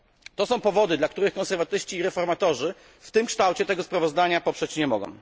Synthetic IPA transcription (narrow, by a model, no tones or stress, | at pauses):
t̪ɔsɔ̃w̃pɔvɔd̪ɘd̪lak̚t̪uɾɘxkɔ̃ñsɛɾvat̪ɘʂt͡ɕiːɾɛfɔɾmat̪ɔʐɘ | ft̪ɘmkʂt̪awt͡ɕɛt̪ɛɡɔspɾavɔzd̪aɲapɔpʂɛt͡ɕɲɛmɔɡɔ̰̃w̃